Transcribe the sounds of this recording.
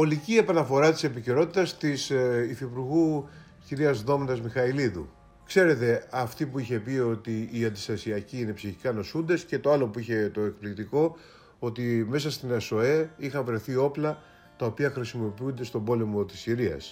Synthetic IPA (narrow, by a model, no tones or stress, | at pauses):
o̞licie̞pɐnɐfo̞ɾɐt̪i̥se̞piceɾo̞t̪it̪ɐst̪isifipuɾɣu | ciɾiɐzðo̞mnd̪ɐzmixɐiliðṵ | kse̞ɾe̞t̪e̞ɐft̪ipuiçe̞pio̞t̪iːɐnd̪ist̪ɐsiɐciine̞psiçikɐno̞sund̪e̞sce̞t̪o̞alo̞puiçe̞t̪o̞e̞kplikt̪iko̞ | o̞t̪ime̞s̬ɐst̪inɐso̞e̞ixɐvɾe̞θio̞plɐ | t̪ɐo̞piɐxɾisimo̞piund̪e̞st̪o̞bo̞le̞mo̞t̪i̥siɾiɐ̰s